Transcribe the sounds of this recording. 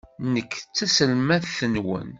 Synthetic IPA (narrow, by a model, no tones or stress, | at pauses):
nəkːt͡sːæsəlmæθθənwə̰n